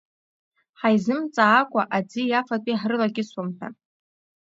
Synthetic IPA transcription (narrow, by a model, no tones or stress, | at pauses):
ħajzɨmt͡sʼaːkʷʼaʔad͡zijafatʼiħrɨlaɡʲɪswamtʰa̰